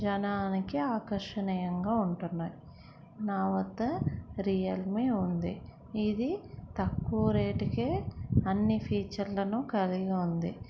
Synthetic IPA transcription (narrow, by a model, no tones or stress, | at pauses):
d͡ʒɐnaːnikiaːkɐɾʂɐnɐjɐŋɡaːuɳʈunːaːji | naːʋɐt̪ːɐɾijɐlmiːund̪i | id̪it̪ɐkːuʋɐɾeːʈikeːɐnːipʰiːt͡ʃɐɾlɐnukɐliɡɐund̪ḭ